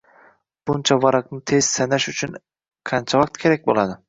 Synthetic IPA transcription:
b̥ʊnt͡ʃʰavaɾɑqnɪt̪ʰe̞z̥sanaʃʊt͡ʃʰʊn | qʰɑnt͡ʃʰavɑq̚t̪kʲʰe̞ɾakʲbolˠad̪ɪ

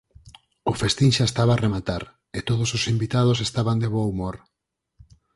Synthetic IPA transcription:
ʊfest̪inʃaest̪aβaːremat̪aɾ | et̪oðososimbit̪að̞os̬est̪aβand̪eβoumoɾ

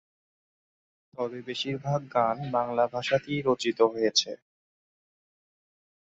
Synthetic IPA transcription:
t̪ɔbebeʃiɾbʱaɡ̚ːanbaŋlabʱaʃat̪iɾot͡ɕit̪oɦojet͡ɕʰe

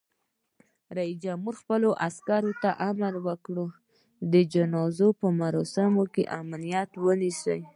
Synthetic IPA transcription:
ɾaisd͡ʒamuɾxpəloʔaskɑɾot̪aʔamalwəkɽu | d̪əd͡ʒanɑzopəmaɾɑsamokḛʔamalijɑt̪wənisəj

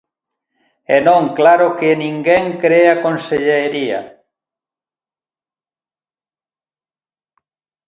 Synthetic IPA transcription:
ɛnõŋklaɾokenĩŋɡeŋkɾeakonseʎeɾia̰

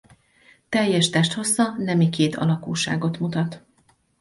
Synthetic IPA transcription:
t̪ɛjːɛʃt̪ɛʃt̪ho̞sːɒnɛmikeːt̪ʰɒ̰lɒkuːʃa̰ːɡo̞t̪mut̪ɒt̪

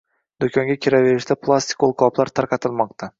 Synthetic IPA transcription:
d̪okʲʰɒŋɡʲakʲʰeɾave̞ɾɪʃt̪ʰapʰlˠast̪ɪ̥kolˠqʰɒplˠaɾt̪ʰaɾqʰɑt̪ʰɪlˠmɒq̚t̪ʰa

